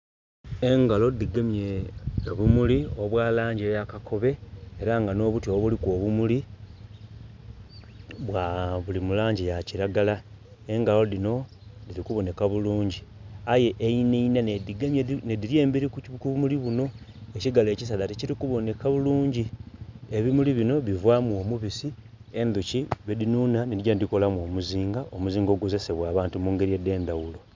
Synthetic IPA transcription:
e̞ŋɡalo̞diɡemjeβumulio̞βwaːlaːɲɟejakako̞βe̞eɾaŋɡano̞ːβutjoβulikwo̞βumuli | βwaβulimulaːɲɟijaciɾaɡala | e̞ŋɡalo̞ðino̞ | ðiɾikuβo̞ne̞kaβuluːɲɟiaje̞ʔeineinanediɡamjenediɾjeːmbiɾikukumuliβuno̞ | eciɡale̞ːcis̬alaticiɾikuβo̞ne̞kaβuluːɲɟie̞βimuliβino̞βivwaːmwo̞ːmuβisi | e̞nd̪uciβedinuːnanedɟandiko̞lamwo̞ːmuziːŋɡaʔomuziːŋɡo̞ːɡo̞ze̞se̞βwaːβaːntumuːŋɡe̞ɾiede̞ːnd̪awulo̞

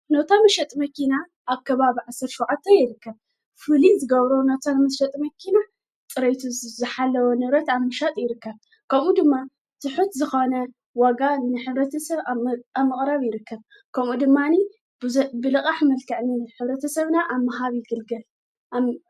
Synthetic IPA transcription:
not̪ʰamɐʃɐt̪ʼmɐkina | ʔaβkʰɐβaβiʕasːɐɾʃuwʕat̪ʰːɐjɪɾɨkːɐβ | fɨlizɨɡɐβɾonot̪ʰanmɐʃɐt̪ʼmɐkʰina | tʼɨɾejt̪ʰuzɨħalːɐwonɨβɾɐt̪aβmɐʃat̪ʼjɪɾɨkːɐβ | kʰɐmud̪ɨmːa | sɨħut̪zɨxonɐ | waɡanɨħɨβɾɐt̪ʰɐsɐβamːɨχʼɾaβjɪɾɨkʰːɐβ | kʰɐmud̪ɨmːani | bɨlɨkʼaħmɐlkʰɐʕniɨħɨβɾɐt̪ʰɐsɐβnaʔamaɦaβjɪɡɨlɡɐl

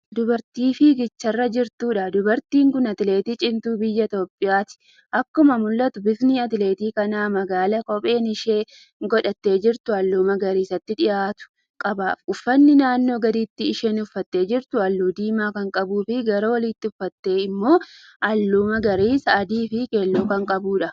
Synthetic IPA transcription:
d̪ʊbɐɾt̪iːfɪɡɪt͡ʃːɐrːɐd͡ʒɪɾt̪uːᶑɐd̪ʊbɐɾt̪iːŋkʊnɐt̪ɪle̞ːt̪iːt͡ʃʼɪnt̪uːbɪjːɐt̪o̞ːpʼːɪjaːt̪ɪ̥ | ʔɐkːʊmɐmʊlːɐt̪ʊbɪsniːɐt̪ɪle̞ːt̪iːkɐnaːmɐɡaːlɐkɔpʼe̞ːnɪʃeː | ɡɔᶑɐt̪ːe̞ːd͡ʒɪɾt̪ʊɐlːuːmɐɡɐɾiːsɐt̪ːɪᶑɪjaːt̪ʊ̥ | kʼɐbaːfʊfːɐnːɪnaːnːo̞ːɡɐd̪iːt̪ːɪːʃeːnʊfːɐt̪ːe̞ːd͡ʒɪɾt̪ʊɐlːuːd̪iːmaːkɐŋkʼɐbuːfɪɡɐɾɐwɐlɪt̪ːɪʊfːɐt̪ːe̞ːɪmːo̞ː | ʔɐlːuːmɐɡɐɾiːsɐːd̪iːfɪke̞ːlːuːkɐŋkʼɐbuːᶑɐ

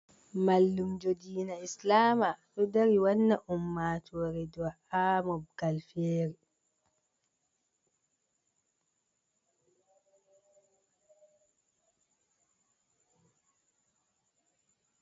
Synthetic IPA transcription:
malːumd͡ʒɔdiːnaislaːmaɗɔdaɾiwanːaʔumːaːtʰɔːɾɛdɔwa | aːmɔb̚ɡalfeːɾi

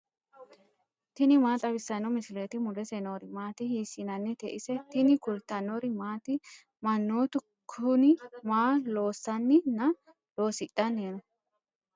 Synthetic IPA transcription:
t̪ɪnɪmaːt̪ʼɐβɪsːɐnɔmɪsɪlet̪ɪmʊlɛsɛnoːɾɪmaːt̪ɪhiːsɪnɐnːɛt̪ɛʔɪsɛt̪ɪnɪkʊlt̪ːɐnoɾɪmaːt̪ɪ | mɐnːoːt̪ʊ | kʰːʊnɪmaːlo̞ːsːɐnːɪnɐ | lo̞ːsɪtʼːɐnːeːnɔ

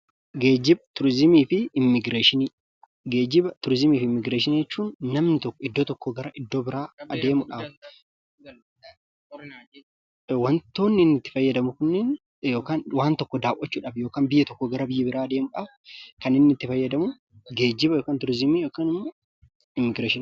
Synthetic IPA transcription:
ɡeːd͡ʒɪbt̪ʊɾzɪmiːfɪɪmːɪɡɾeːʃɪniː | ɡeːd͡ʒɪbɐt̪ʊɾzɪmiːfɪmːɪɡɾeːʃɪniːd͡ʒɛt͡ʃːuːnːɐmnɪt̪ɔkːɔɪd̪ːoːt̪ɔkːɔɡɐɾɐʔɪd̪ːoːbɪɾaːɐd̪e̞ːmʊᶑɐf | wɐnt̪o̞ːnːɪnːɪt̪ːɪ̥fɐjːɐd̪ɐmʊkʊnːɛn | jo̞ːkaːnwaːnt̪ɔkːɔd̪aːʔɔt͡ʃːuːᶑɐːfjo̞ːkaːnbɪjːɛt̪ɔkːɔɡɐɾɐbɪjːɐbɪɾaːɐd̪eːmʊᶑɐfkɐnɪnːɪt̪ːɪfɐjːɐd̪ɐmʊ | ɡe̞ːd͡ʒɪbɐjoːkaːnt̪ʊɾzɪmiːjoːkaːnɪmːo | ɪmːɪɡɾeːʃɪn

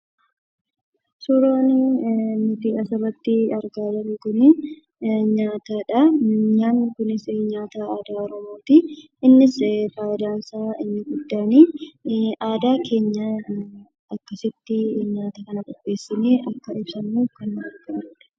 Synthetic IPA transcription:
sʊɾoːnɪnʊt̪iːɐsɐbɐt̪ːɪɐɾɡaːd̪ɐnɪkʊnɪ | ɲaːt̪aːᶑɐɲaːnːɪkʊnɪsɲaːt̪aːaːd̪aːɔɾɔmo̞ːt̪i | ɪnːɪsfaːjɪd̪aːnsaːɪnːɪɡʊd̪ːaːniː | ʔaːd̪aːkʰe̞ːɲːɐ | ɐkːɐsɪt̪ːɪɲaːt̪ɐkɐnɐkʼɔpːe̞ːsːɪneːʔɐkːɐɪbsɐnmuːfkɐnːɐɾɡaːɾʊᶑɐ̥

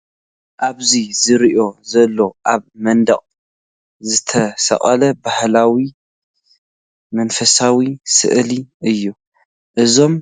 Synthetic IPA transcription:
ʔaβzizɨɾiʔo̞zɐlːo̞ʔaβmɐnd̪ɐχʼ | zɨt̪ʰɐsɐ̰χʼɐlɐbahlawi | mɐnfɐsawisɨ̰ʔliʔɨjːu | ʔɨzo̞m

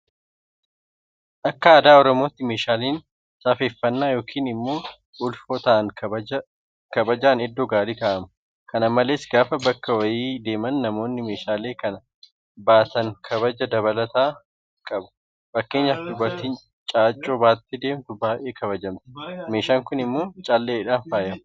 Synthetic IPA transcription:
ʔɐkːɐɐːd̪aːɔɾɔmo̞ːt̪ːɪme̞ːʃaːleːn | saːfeːfːɐnːaːjo̞ːkʰiːnɪmːo̞ː | ʔʊlfoːt̪aːʔɐŋ | kɐbɐd͡ʒaːnɛd̪ːoɡaːliːkaːʔɐmɐ | kɐnɐmːɐle̞ːsɡaːfɐbɐkːɐwɐjiːd̪e̞ːmɐnːɐmo̞ːnːɪme̞ːʃaːleːkɐnɐ | baːt̪ɐŋkʰɐβɐd͡ʒɐd̪ɐβɐlɐt̪aː | kʼɐbʊ̥ | fɐkːe̞ːɲːɐfd̪ʊbɐɾt̪iːn | t͡ʃʼaːt͡ʃʼːoːbaːt̪ːɪd̪e̞ːmt̪ʊbaːʔeːkɐβɐd͡ʒɐmt̪ɪ̥me̞ːʃaːŋkʊnɪmːo̞ːt͡ʃʼaːlːeːɪᶑaːnfaːjɐm

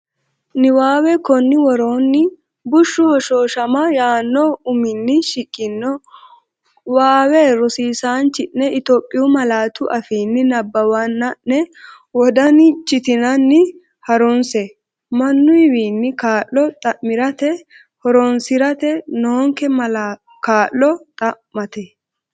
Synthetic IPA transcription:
nɪwaːwɛkɔnːɪwɔɾoːnːɪ | bʊʃːʊhɔʃoːʃɐmɐjaːnːɔʊmɪnːɪʃɪkʼːɪnːɔ | waːwɛɾɔsiːsaːnt͡ʃɪnːɛɪt̪oːpʼːɪjʊmɐlaːt̪ʊʔɐfiːnːɪnɐbːɐwanːɐʔːɛ | wɔd̪ɐnɪt͡ʃʼːɪt̪ɪnɐnːɪ | hɐɾɔnsɛ | mɐnːʊɪwiːnːɪkaːʔɔt̪ʼɐʔmːɪɾɐt̪ɛ | hɔɾɔnsɪɾɐt̪ɛnoːŋkɛmɐla | kaːʔːɔt̪ʼɐʔːɐt̪ɛ

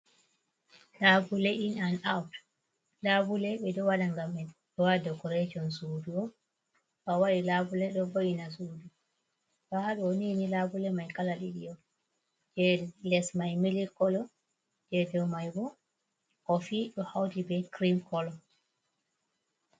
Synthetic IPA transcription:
labulɛʔinanawt | labulɛɓɛdɔwaɗaŋɡamɛnɗɔwadɔkɔɾɛd͡ʒɔnsuduɔ | ɓawaɗilabulɛɗɔvoʔinasudu | bahaɗuoninilabulɛmajkalaɗiɗijɔ | d͡ʒɛlɛsmajmilikɔlɔ | d͡ʒɛdɛwmajbɔ | kɔfiɗɔhawdibɛkɾimkɔlɔ

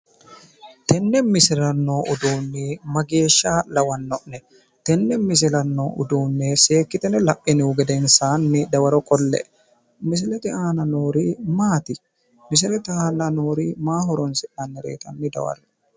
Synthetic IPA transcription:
t̪ɛnːɛnmɪsɪɾɐnːoːʔʊd̪uːnːiːmɐɡe̞ːʃːaːlɐwɐnːɔʔnɛ | t̪ɛnːɛmɪs̬ɪlɐnːoːʊ̰d̪uːnːɛseːkːɪt̪ɛnɛlɐpʼːɪnɪʊɡɛd̪ɛnsaːnːɪd̪ɐwɐɾɔkʼɔlːɛ̰ʔ | mɪs̬ɪlɛt̪ɪʔaːnɐnoːɾiːmaːt̪ɪ | mɪs̬ɪlɛt̪ɪaːnɐnoːɾiːmaːɦɔɾɔnsɪʔanːɛɾḛːt̪ɐnːɪd̪ɐ̰wɐ̰ɾɛ

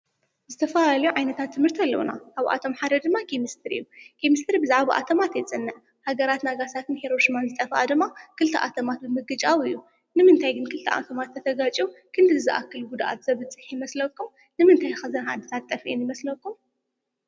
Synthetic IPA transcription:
zɨt̪ʰɐfɐlalɐjuʕajnɐt̪ʰat̪ʰːɨmhɨɾt̪ʰalːɐ̰wuna̰ʔaβʔa̰t̪ʰo̞mħaɾɐd̪ɨmːakʰemɨst̪ʰɨɾɨ̰jːukʰemɨst̪ʰɨɾibɨzaʕβaʔa̰t̪ʰɐmat̪jɛt͡sʼɨnːɨʔ | haɡɐɾat̪naɡasat̪ʰɨnheɾo̞ʃimanzɨt̪ʼɐfʔad̪ɨmːakɨlt̪ʰɐʔa̰t̪ʰɐmat̪̚bɨmɨɡɨt͡ʃʼawɨjːu | nɨmɨnt̪ʰajɡɨnkʰɨlt̪ʰɐʔa̰t̪ʰɐmat̪ʰːɐt̪ʰɐɡat͡ʃʼiukʰɨnd̪ɨzɨʔa̰kːɨluɡud̪aʔa̰t̪z̥ɐβɨt͡sʼɨħjɪmɐslɐkːum | nɨmɨnt̪ʰajxɐzɐnha̰d̪ɨt̪ʰat̪t̪ʼːɐfiʔinjɪmɐslɐkːum

